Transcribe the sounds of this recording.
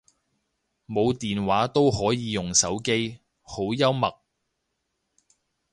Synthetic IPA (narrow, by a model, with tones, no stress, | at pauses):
mo˨˧wt̪iː˨nwaː˨˥t̪o˥wɦɔː˨˥jiː˨˧jʊ˨ŋsɐ˨˥wke˥j | ho˨˥wjɐ˥wmɐ˨k̚